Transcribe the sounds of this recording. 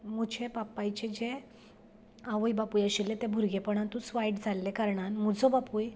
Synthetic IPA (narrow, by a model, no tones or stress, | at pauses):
m̤ud͡ʑʰepapːajt͡ɕed͡ʑe | aʋəjbapujəɕilːet̪ɛbʱuɾɡepəɳ̃ant̪ut͡sʋajʈd͡zʱalːekaɾɳanmud͡zɔbapuj